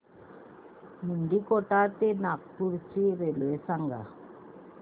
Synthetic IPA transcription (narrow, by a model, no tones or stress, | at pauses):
niɳɖikɔʈːaːt̪enak̚puɾt͡ʃːiɾelesaŋɡa̰